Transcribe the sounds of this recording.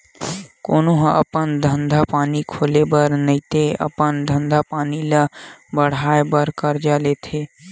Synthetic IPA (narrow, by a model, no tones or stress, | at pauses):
koːnoɦə̰pənd̪ʱə̃nd̪ʱapaːnikʰoːlebəɾnəit̪eə̰pənd̪ʱə̃nd̪ʱapaːnilabəɽ̤aːebəɾkəɾd͡ʒaːleːt̪ʰeː